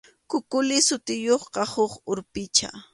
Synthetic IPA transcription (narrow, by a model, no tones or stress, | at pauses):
kʊkʊlɪsʊt̪ɪjoχqɑhʊχʊɾpɪt͡ʃa̰